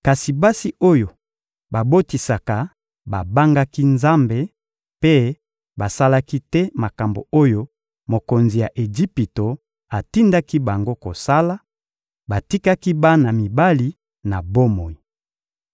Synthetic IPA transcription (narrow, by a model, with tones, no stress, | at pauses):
ka˨si˨ba˦si˦ʔo˦jo˨ | ba˨bo˦ti˨sa˨ka˨ | ba˨ba˦ŋɡa˦ki˦nza˦mbe˨ | pe˦ | ba˨sa˦la˦ki˦tɛ˦ma˨ka˨mbo̰˨o˦jo˦ | mo˨ko˨nzi˨ja˨ʔe˨ʒi˦pi˨to˨ | a˨ti˦nda˦ki˦ba˨ŋɡo˦ko˨sa˦la˦ | ba˨ti˦ka˦ki˦ba˦na˨mi˨ba˦li˨ | na˨bo˦mo˨i˨